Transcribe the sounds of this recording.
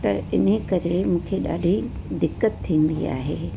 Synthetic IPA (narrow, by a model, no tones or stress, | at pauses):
t̪ɐ̰ɪ̰nəkɐɾemũːkʰeɗa̰ːɖʱi | d̪ɪkːət̪ʰːĩːn̆d̪ia̰ːɦeː